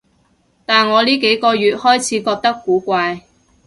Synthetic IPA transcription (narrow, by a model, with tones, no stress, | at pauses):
t̪aː˨˩nŋɔː˨˧liː˥ke˨˥jkɔː˧jyː˨t̚hɔː˥jt͡sʰiː˨˥kɔː˧k̚t̪ɐ˥kːuː˨˥kʷaː˧j